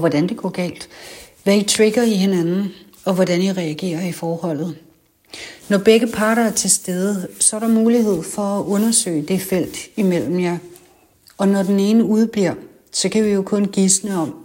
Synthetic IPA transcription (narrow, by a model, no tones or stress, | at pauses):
ʋɒd̥ænd̥e̝ɡ̥ɒ̰ɡ̥ɛ̰ːld̥ʋæit͡sʰʁeɡ̥ɐiɦe̝nænn̩ | ɒ̽ʋɒdænjiʁɛæɡ̥e̝̰ːɐifɒːhɒ̽l̰ð̞̩ˠ | nɒb̥eɡ̥əpʰɑ̈ːɾɐæɐt͡sʰe̝lsd̥eð̞ˠəsɒ̽æɐɾɑ̈muːlihe̝ð̞̰ˠfɒ̽æʔɔ̽nɐsø̰ːɪd̥e̝fel̰d̥imel̰m̩jɑ̈ɪ | ɒ̽nɒd̥ene̝ːnəuð̞ˠb̥liɐ̰ | sɒ̽kʰæʋijo̝kʰɔ̽nɡ̥isnəɒ̽m̰